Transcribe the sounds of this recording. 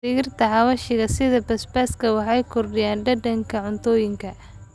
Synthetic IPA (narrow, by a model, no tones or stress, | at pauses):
ɪɣɪrt̪ʰɐhɑβɐʃɪɣɐsɪðɐbɐspɛːskʰɐwɑħɑjkʰɔrɖɪjaːnɖɐɖɐŋkʰɐʕʊnt̪ʰɔːjɪŋkʰɐ